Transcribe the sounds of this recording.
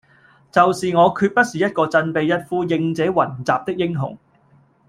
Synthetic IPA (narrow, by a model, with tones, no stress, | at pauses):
t͡sɐ˨wsiː˨ŋɔː˨˧kʰyː˧t̚pɐ˥t̚siː˨jɐ˥t̚kɔː˧t͡sɐ˧npe˨˧jjɐ˥t̚fuː˥jɪ˧ŋt͡sɛː˨˥wɐ˨˩nt͡saː˨p̚t̪ɪ˥k̚jɪ˥ŋɦʊ̰˨˩ŋ